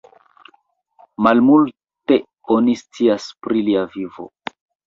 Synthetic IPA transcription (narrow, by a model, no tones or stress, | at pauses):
malmul | te̞ | o̞nist͡siaspɾiliavivo̰